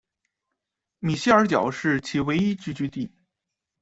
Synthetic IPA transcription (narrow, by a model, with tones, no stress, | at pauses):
mi˨˩ɕi˥˩ə˞˧˥t͡ɕjɑ˨˩ʊʂɻ̩˥˩t͡ɕʰi˧˥we˧˥ɪi˥t͡ɕy˥t͡ɕy˥˧t̪i˥˩